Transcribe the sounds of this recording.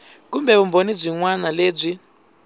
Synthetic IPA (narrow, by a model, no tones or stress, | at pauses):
k̬umbɛβumbonib͡ʐʷiŋwanaleːb͡ʐʷi